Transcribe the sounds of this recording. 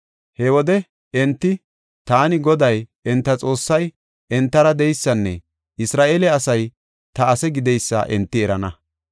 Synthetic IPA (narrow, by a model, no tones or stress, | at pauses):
hɛwɔd̪ɛ | ɛnt̪ːɪ | t̪aːnɪɡɔd̪ɐjɛnt̪ːɐt͡sʼo̞ːsːɐj | ɛnt̪ːɐɾɐd̪ɛjsːɐnːɛ̰ | ɪsɾaːʔeːlɛɐsɐj | t̪ɐːsɛɡɪd̪ɛjsːɐ̰ʔɛnt̪ːɪɛɾɐnɐ